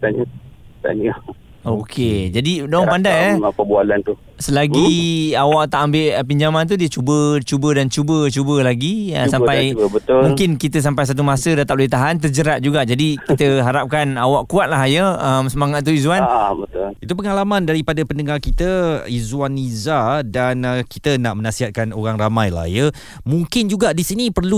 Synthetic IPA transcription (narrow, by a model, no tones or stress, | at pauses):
t̪aɲat̪a̰ɲa | okʰed͡ʒadidɔŋpandajaaəbualant̪u | səlaɡiawaʔt̪aʔambɪʔpiɲd͡ʒamant̪̬udiət͡ʃubət͡ʃubədant͡ʃubət͡ʃubəlaɡiəsampajəbət̪ʊmũŋkɪnkit̪əs̬ampajs̬at̪̬umasədat̪aʔpləit̪aɦant̪̬ərd͡ʒəɾat̪̚d͡ʒuɡaʔd͡ʒadikit̪əɦaɾap̚kanawaʔkuat̪̚laɦjəəmsəmaŋat̪̚ːuizuwanbət̪it̪upəŋalamãndaɾipadapəndəŋarkit̪əizwanizadankit̪ənaʔmənasiɦat̪̚kanoɾaŋramajla̰hjə | muŋkɪnd͡ʒuɡaʔdisinipərlu